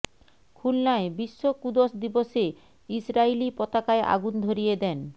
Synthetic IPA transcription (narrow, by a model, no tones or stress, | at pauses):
kʰulnaebiʃːokud̪oʃd̪iboʃe | isɾailipɔt̪akaeʔa̰ɡund̪ʱoɾijed̪ɛn